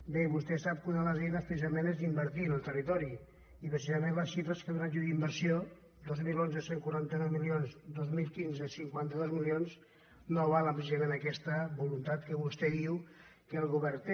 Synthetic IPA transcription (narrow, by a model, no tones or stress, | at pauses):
beβust̪ɛsap̚kunələzɛjnəspɾəsizəmenɛzðimbəɾt̪iənəlˠt̪ərit̪ɔɾi | ipɾəsizəmẽnləsʃifɾəskəðɾaʒuðimbəɾsio | d̪ozmilonzəseŋkuaɾant̪ənɔwmilionzd̪ozmilˠkinzəsiŋkwant̪əðozmilionz | noβalˠəmpɾes̬izəmenəkɛst̪əbulunt̪at̪kəβust̪ɛðiw | kəlˠɣuβɛɾ